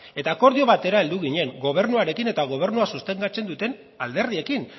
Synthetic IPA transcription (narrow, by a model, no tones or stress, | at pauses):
e̞t̪aːko̞ɾðio̞βat̪e̞ɾae̞ld̪uɣ̞iɲe̞ŋɡo̞β̞e̞ɾnuaɾe̞kine̞t̪aɣ̞o̞β̞e̞ɾnuasust̪e̞ŋɡat͡se̞nd̪ut̪e̞n | ald̪e̞ɾðie̞kin